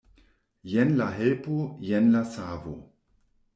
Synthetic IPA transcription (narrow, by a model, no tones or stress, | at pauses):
jenlaɦelpojenlasavo̰